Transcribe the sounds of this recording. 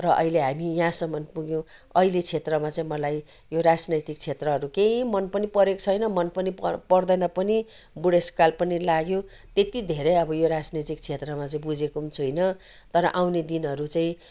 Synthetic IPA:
rʌʔʌ̰ileɦamijãsʌmʌnpuɡjõ | ʌilet͡sʰet̪rʌmat͡saĩmʌlaj | joɾad͡znʌjt̪ik̚t͡sʰet̪rʌɦʌɾukeĩmʌnpʌnipʌɾekot͡sʰʌjnʌmʌnpʌnipʌrd̪ʌnʌpʌni | buɽeskalpʌnilaɡjõ | t̪et̪id̪ʱeɾejʌbʌjoɾad͡znʌjt̪ik̚t͡sʰet̪rʌmat͡saĩbud͡zekount͡sʰuɦʌjnʌ | t̪ʌɾʌʔawned̪inɦʌɾut͡saĩ

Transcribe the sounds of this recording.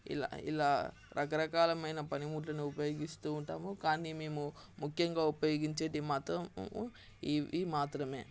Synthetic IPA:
ḭla̰ːḭlaː | ɾʔɐkɐɾɐkaːlɐmɐjnɐpɐnimuːʈ̬lɐniupɐjo̞ːɡist̪uːɳʈaːmukaːnimeːmu | mukʰjɐŋɡaːupɐjo̞ːɡiɲt͡ʃeːʈimaːt̪ɾɐm | iʋimaːt̪ɾɐme̞ː

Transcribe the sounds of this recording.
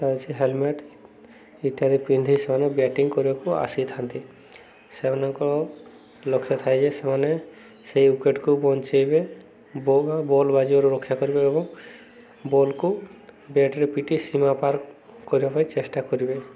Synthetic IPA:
t̪at͡ʃʰiɦelmeʈ | it̪iɦad̪ʱipind̪ʱisemanebɛʈiŋɡkɔɾibakua̰sit̪ʰant̪i | semanɔŋkɔɔ | lokʰːjɔt̪ʰajd͡ʒesemane | sejukeʈkubɔnt͡ʃejbe | bbabolbad͡ʒibɔɾuɾɔkʰːjakɔɾibeːbɔŋ | bolkubɛʈɾepiʈisimapaɾk | kːɔɾibapaĩt͡ʃesʈakɔɾibe

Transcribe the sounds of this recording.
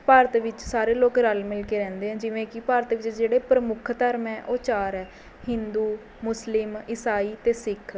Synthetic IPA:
paːɾət̪ʋɪt͡ʃsaːɾeːloːkɾəlmɪlkeːɾɛ̃ːnd̪eːɦɛ̃ːd͡ʒɪʋẽːkɪpaːɾət̪ʋɪt͡ʃd͡ʒeːɽeːpɾəmʊkʰt̪əɾmɛːʔoːt͡ʃaːɾɛː | hɪnd̪uː | mʊslɪmɪsaːiːt̪eːsɪkʰ

